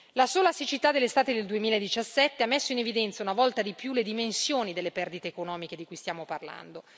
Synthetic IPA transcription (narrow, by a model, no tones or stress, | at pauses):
lasoːlasit͡ʃit̪ad̪elːest̪aːt̪ed̪eld̪uemiːlaed̪it͡ʃasːɛt̪ːeamːesːoinevid̪ɛnt̪saunavɔlt̪ad̪ipjuled̪imensjoːnid̪elːepɛrd̪it̪eːkonɔːmiked̪ikujst̪jaːmoparla̰nd̪o